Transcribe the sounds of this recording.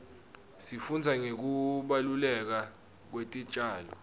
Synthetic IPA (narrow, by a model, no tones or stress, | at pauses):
sifund͡zʱaŋek̬uɓalulɛk̬a | k̬wetʼi̥t͡ʃʼaːlɔ̰